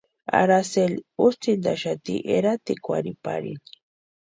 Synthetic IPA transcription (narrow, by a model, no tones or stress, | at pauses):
a̰ɾaselust͡sind̪aʃat̪iʔeɾat̪ikʷaɾipaɾini̥